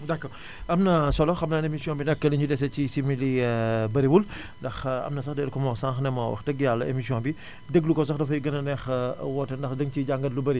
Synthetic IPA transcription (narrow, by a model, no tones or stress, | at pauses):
dakːɔ | ɐmnɐsɔlɔxɐmnaːnemisiɔ̃nbinɛkːɐliɲudɛs̬ɛcisimilibɐɾiwul | ndɐxɐ̰mnɐsɐxdɛɾkɔmlɔsãŋxnɛmɐwɐ̰xdəɡjalɐḛmisiɔ̃nbi | dəɡlukɔs̬ɐxdɐfɐjiɡɐnɐnɛxwɔtɐndɐxdəŋt͡ʃiɟaŋɡɐtlubɐɾi